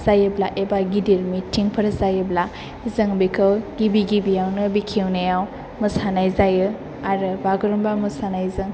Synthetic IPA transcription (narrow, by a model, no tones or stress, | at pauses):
zajɯblaʔebaɡidiɾmitʰiŋpʰəɾzajɯbla | zɯŋbikʰɯwɡibiɡibijawnɯbikʰewnajaw | mɯsanajzajɯ | aɾɯbaɡɯɾumbamɯsanajzɯŋ